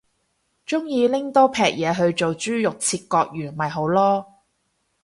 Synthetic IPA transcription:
t͡ʃʊ˥ŋjiː˧lɪ˥ŋt̪ɔː˥pʰɛː˨˩k̚jɛː˨˧ɦɵ˧ɥt͡so˨wt͡ʃyː˥jʊ˨k̚t͡sʰiː˧t̚kɔː˧k̚jyː˨˩nmɐ˨jɦo˨˥wlɔː˥

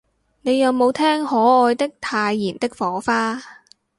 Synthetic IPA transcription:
ne˨˧jːɐ˨wmo˨˧wt̪ʰɛː˥ŋhɔː˨˥ɔː˧jt̪ɪ˥k̚t̪ʰaː˧jːiː˨˩nt̪ɪ˥k̚fɔː˨˥faː˥

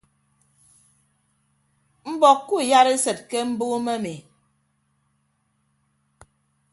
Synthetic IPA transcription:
m̩˦bɔ˨kkːu˦˨ja˦ɾe˦sɛ˨t̚kɛ˦m̩˦bo˦mɛ˦mi˨

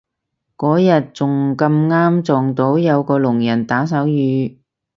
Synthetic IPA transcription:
kɔː˨˥jɐ˨t̚t͡sʊ˨ŋkɐ˧mŋaː˥mt͡sɔː˨ŋt̪o˨˥wjɐ˨˧wkɔː˧lʊ˨˩ŋjɐ˨˩nt̪aː˨˥s̬ɐ˨˥wjyː˨˧

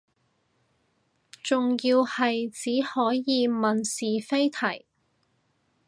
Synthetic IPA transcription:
t͡sʊ˨ŋjiː˧whɐ˨jt͡siː˨˥hɔː˨˥jjiː˨˧mɐ˨nsiː˨fe˥jt̪ʰɐ˨˩j

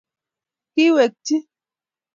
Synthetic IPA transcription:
ki˦we˨k̚ti˦

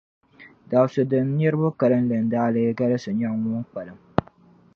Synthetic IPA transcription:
da˨sɨ˨dɨ˨n˦ɲɛ˦ɾɨ˦bʊ˦ka˨lɨ˦n˦lɨ˨n˦daː˦lɨ˦ɡa˦lɨ˦sɨ˨ɲa˦ŋʊ˦ŋ˦k͡pa˨lɨ˨˦m

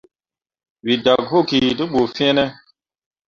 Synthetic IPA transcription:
wi˨da˨kɦo˦˨ki˨du˦ɓo˨fĩ˦ɛ˦nɛ˦

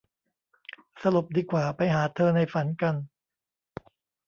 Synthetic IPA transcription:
sa˧lu˨˩p̚diː˧kwaː˨˩pa˧jɦaː˩˦t̪ʰɤː˧na˧jfa˩˦nka˧n

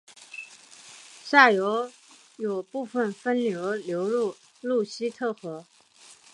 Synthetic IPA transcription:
ɕa˥˩jo˧˥ʊ | jo˨˩ʊpu˥˩fə˥˩nfə˥nljo˧˥ʊljo˧˥ʊlu˥˩ | lu˥˩ɕi˥t̪ʰɤ˥˩xɤ˧˥

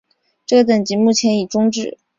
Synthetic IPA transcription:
ʈ͡ʂɤ˥˩t̪ə˨˩ŋt͡ɕi˧˥mu˥˩t͡ɕʰjɛ˧˥ni˨˩ʈ͡ʂʊ˥ŋʈ͡ʂɻ̩˥˩

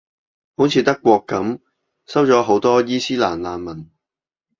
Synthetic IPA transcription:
ho˨˥wt͡sʰiː˨˧t̪ɐ˥kːʷɔː˧kːɐ˨˥m | sɐ˥wt͡ʃɔː˨˥ɦo˨˥wt̪ɔː˥jiː˥siː˥la̰ː˨˩nlaː˨˧nmɐ˨˩n

